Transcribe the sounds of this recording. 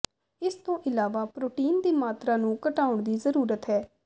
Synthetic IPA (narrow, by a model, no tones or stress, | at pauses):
ɪst̪õːʔɪlaːʋaːpɾoːʈiːnd̪iːmaːt̪ɾaːnũːkəʈaːʊɳd̪iːzəɾuːɾət̪ɦɛː